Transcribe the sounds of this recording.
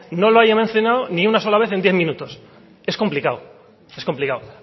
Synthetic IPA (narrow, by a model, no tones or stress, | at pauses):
no̞loajamen̟θjonawniunaso̞laβeθe̞nd̪jeθmĩnut̪os | e̞sko̞mplikaw | e̞sko̞mplikaw